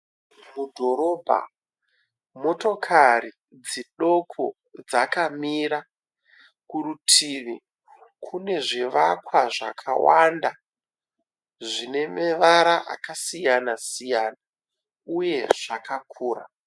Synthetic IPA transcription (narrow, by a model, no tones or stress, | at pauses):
mudʱo̞ɾo̞bʱa̰ | mo̞to̞kʰari | d͡ziɗo̞kʰo̰ | d͡zakamiɾa | kuɾutʰiʋi | kʰune̞ʐiʋakwaʐa̰kʰa̰wanda | ʐine̞meʋaɾaʔa̰kasijanasijana | uje̞ʐ̥akakʰuːɾa̰